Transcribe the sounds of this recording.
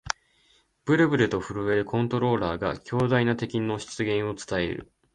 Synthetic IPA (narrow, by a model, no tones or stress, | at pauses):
b̥ɯ̟ɾɯ̟bɯ̟ɾɯ̟t̪o̞ɸɯ̟ɾɯ̟e̞ɾɯ̟kʰõ̞nt̪o̞ɾo̞ːɾaːɡa̰kʲo̞ːd̪ainat̪e̞kʲino̞ɕi̥t͡sɨɡẽ̞ɰ̃o̞t͡sɨ̥t̪ae̞̰ɾɯ̟̰